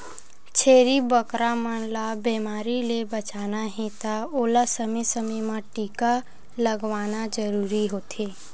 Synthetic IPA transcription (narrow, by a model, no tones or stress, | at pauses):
t͡ʃʰeːɾibəkɾamanlabeːmaːɾilebət͡ʃaːnaɦẽt̪aoːlasəmesəməjmãʈiːka | ləɡʋaːnad͡ʒəɾuːɾiɦoːt̪ʰeː